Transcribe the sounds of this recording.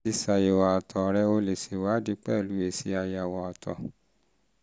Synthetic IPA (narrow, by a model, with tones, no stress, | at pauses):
i˧sa˨je˨wa˨a˨tʰɔ˨ɾɛ˧o˧le˨se˨wa˨˦di˧˦k͡pɛ˦˨lu˨˦e˦˨si˧˦a˧ja˨wɔ˨ɔ˨tɔ˨